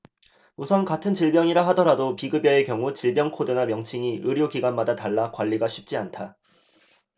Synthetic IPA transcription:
musʰʌnkatʰɯnt͡ɕiɭbjʌŋiɾaɦadʌɾadopiɡɯbjʌe̞kjʌŋut͡ɕiɭbjʌŋkʰodɯnamjʌŋt͡ɕʰiŋiʔɯɾjoɡiɡwanmadataɭːakwaʎːiɡaɕʰip̚t͡ɕ͈iantʰa

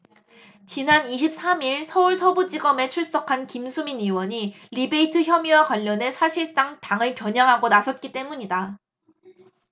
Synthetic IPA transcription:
t͡ɕinaniɕʰip̚s͈ʰamiɭsʰʌuɭsʰʌbud͡ʑiɡʌme̞t͡ɕʰuɭs͈ʌkʰankimsʰuminiwʌɲi | ɾibeitʰɯçjʌmiwakwaʎːʌne̞sʰaɕʰiɭs͈aŋtaŋɯɭkjʌɲaŋɦaɡonasʰʌt̚k͈it͈e̞muɲida

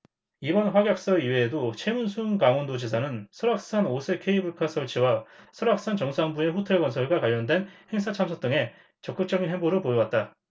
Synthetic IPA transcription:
ibʌnɸwaɡjak̚s͈ʌiweːdot͡ɕʰe̞munsʰunkaŋondod͡ʑes̬ʰanɯnsʰʌɾak̚s͈anosʰekʰeibuɭkʰas͈ʰʌɭt͡ɕʰiwasʰʌɾak̚s͈ant͡ɕʌŋsʰaŋbue̞ɸotʰe̞ɭɡwʌnsʰʌɭɡwakaʎːʌndwe̞nhe̞ŋs̬ʰat͡ɕʰamsʰʌt͈ɯŋe̞ | t͡ɕʌk͈ɯk̚t͡ɕʌɡinɦe̞ŋboɾɯɭpojowat̚t͈a

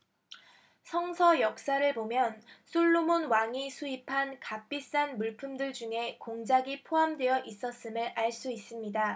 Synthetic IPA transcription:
sʰʌŋsʰʌjʌk̚s͈aɾɯɭbomjʌnsʰuɭːomonwaŋisʰuipʰankap͈is͈anmuɭpʰumdɯɭd͡ʑuŋe̞koŋd͡ʑaɡipʰoɦamdwe̞jʌʔis͈ʌs͈ɯmɯɾaɭs͈uis͈ɯmɲida

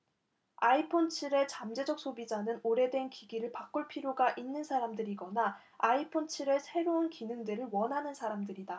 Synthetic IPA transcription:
aipʰont͡ɕʰiɾe̞t͡ɕamd͡ʑe̞d͡ʑʌk̚s͈obid͡ʑanɯnoɾe̞dwe̞nkiɡiɾɯɭpak͈uɭpʰiɾjoɡaʔinːɯnsʰaɾamdɯɾiɡʌna | aipʰont͡ɕʰiɾe̞sʰe̞ɾounkinɯŋdɯɾɯɭwʌnɦanɯnsʰaɾamdɯɾida

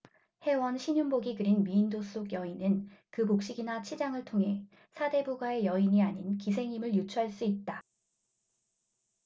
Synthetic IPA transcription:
he̞wʌnɕʰiɲunboɡikɯɾinmiːndos͈oɡjʌinɯnkɯkok̚ɕ͈iɡinat͡ɕʰid͡ʑaŋɯɭtʰoŋɦe̞ | sʰade̞buɡwae̞jʌiɲiaɲinkis̬ʰe̞ŋɲimɯɭjut͡ɕʰuɦaɭs͈uit̚t͈a

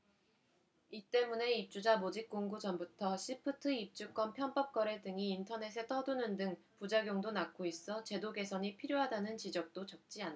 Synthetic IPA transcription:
it͈e̞mune̞ip̚t͡ɕ͈ud͡ʑamod͡ʑik͈oŋɡud͡ʑʌmbutʰʌɕʰipʰɯtʰɯip̚t͡ɕ͈uk͈ʌnpʰjʌnp͈ʌp̚k͈ʌɾe̞dɯŋiːntʰʌne̞sʰe̞tʰʌdunɯndɯŋpud͡ʑaɡjoŋdonak͈ʰois͈ʌt͡ɕe̞doɡe̞sʰʌɲipʰiɾjoɦadanɯnt͡ɕid͡ʑʌk̚t͈ot͡ɕʌk̚t͡ɕ͈ian

